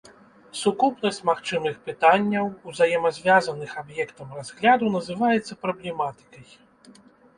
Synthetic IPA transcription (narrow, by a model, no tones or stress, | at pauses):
sukupnɐsʲt͡sʲmaxt͡ʂɨmɨxpɨt̪anʲːɐwuzajɛmɐzʲvʲazɐnɨxabjɛkt̪ɐmrazɣlʲad̪unɐzɨvajɛt̪sːɐpɾɐblʲɛmat̪ɨ̥kɐj